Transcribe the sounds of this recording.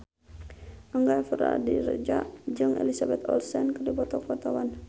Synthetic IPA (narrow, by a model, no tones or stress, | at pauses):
ʔəŋɡafəɾa̰diɾə̰d͡ʒaʔd͡ʒɨŋʔɛ̰lisabɛt̪ɔ̰lsɛnkədipɔt̪ɔkɔt̪awan